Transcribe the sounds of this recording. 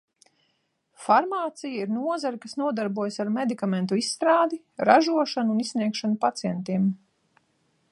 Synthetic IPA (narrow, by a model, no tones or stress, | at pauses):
faɾmaːt̪sijaiɾnuɔzaɾikasnuɔd̪aɾbuɔjsaɾmed̪ikamɛnt̪uisːt̪ɾaːd̪i | ɾaʒuɔʃanuːnissniɛkʃanupat̪sijɛnt̪iɛm